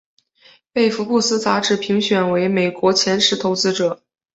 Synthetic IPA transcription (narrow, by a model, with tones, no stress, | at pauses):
pe˥˩ɪfu˧˥pu˥˩sɹ̩˥t͡sa˥ʈ͡ʂɻ̩˥˩pʰi˧˥ŋɕɥɛ˨˩nwe˧˥ɪme˨˩ɪkwɔ˧˥t͡ɕʰjɛ˧˥nʂɻ̩˧˥t̪ʰo˧˥ʊt͡sɹ̩˥ʈ͡ʂɤ˨˩˦